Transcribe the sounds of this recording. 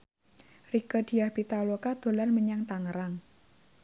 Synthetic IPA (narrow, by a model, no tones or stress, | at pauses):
rikəd̪̥i̤ahb̥it̪alokad̪̥o̤larməɲaŋt̪aŋəɾaŋ